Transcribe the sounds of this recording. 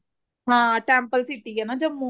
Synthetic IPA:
ɦãːʈaːmpɐlsiʈːiɡenad͡ʒɐmːu

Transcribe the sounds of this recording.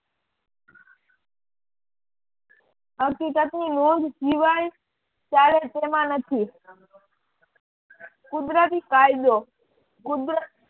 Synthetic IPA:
ɦəkiːkət̪niːnoːd̪ʱsiʋaːj | t͡ʃaːlet̪eːmãːnət̪ʰiː | kʊd̪ɾət̪̬iːkaːɪd̪oː | kʊd̪ɾə

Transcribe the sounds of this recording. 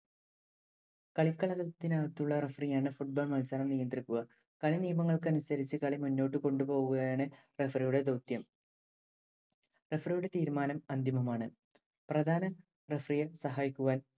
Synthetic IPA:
kɐɭikːɐɭɐɣɐt̪ːinɐʋɐt̪ːuɭːɐrefrijaːɳɨfuʈ̚boːɭmɐlsaːlɐmnijɐnd̪rikːuɣɐ | kɐɭinijɐmɐŋːɐɭkɨɐnusɐɾit͡ɕːɨkɐɭimunːo̞ːʈːɨko̞ɳɖupo̞ːɣuɣɐjaːɳɨ | refrijuɽe̞d̪owt̪jɐm | refrijuɽe̞t̪iːɾumaːnɐmɐnd̪imɐmaːɳɨ | prɐd̪ʱaːnɐ | refrijɐsɐɦaːjikʲːuɣaːn

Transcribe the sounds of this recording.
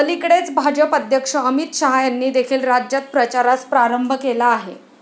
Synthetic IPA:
əlikɽet͡sbʱad͡ʑəpəd̪ʱjəkʂəəmit̪ɕəɦajanːiːd̪ekʰiːlɾad͡ʑjat̪̚pɾət͡ɕaɾaspɾaɾəmbʱəkelaːɦe

